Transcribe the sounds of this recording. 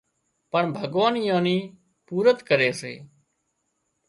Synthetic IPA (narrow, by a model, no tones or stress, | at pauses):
pəɳbʱəɡʋaːniːjãːniː | puːɾət̪kəɾeːsḛː